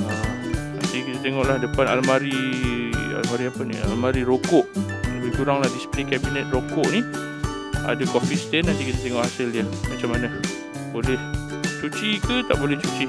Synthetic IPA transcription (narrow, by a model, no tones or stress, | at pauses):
a | na̰nt̪ikit̪at̪eŋɔʔlahdəpanalmaɾi | a̰lmaɾiapənḭa̰lmaɾiɾokɔʔ | abikuɾaŋlahdisplikɛbinɛt̪̚rokɔʔni | a̰dakofist̪ɛnant̪ikit̪at̪eŋɔʔhasɪljamat͡ʃamana | bolɛh | t͡ʃut͡ʃikət̪aʔbolɛht͡ʃut͡ʃi